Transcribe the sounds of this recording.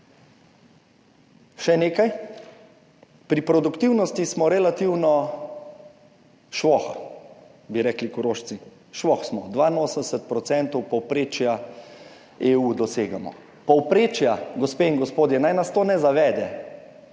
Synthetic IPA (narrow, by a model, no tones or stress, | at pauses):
ʃɛneːkaj | pɾipɾɔd̪ukt̪iwnɔst̪ismɔɾɛlat̪iwnɔ | ʃʋɔx | biɾɛːklikʊɾoːʃsi | ʃʋɔxsmɔd̪ʋainoːsənd̪ɛsɛt̪̚pɾɔt̪sɛnt̪ɔwpɔwpɾeːt͡ʃja | eːud̪ɔseːɡamɔ̰ | pɔwpɾeːt͡ʃjaɡɔspeːiŋɡɔspoːd̪jɛnajnast̪oːnɛzaʋɛːd̪ɛ